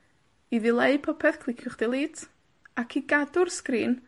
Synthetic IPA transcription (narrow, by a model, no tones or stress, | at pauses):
iðɪlˠeɨpʰɔpʰɛθkʰlˠɪkʰjʊχd̥ɪlˠiːtʰ | akʰiɡadʊrskriːn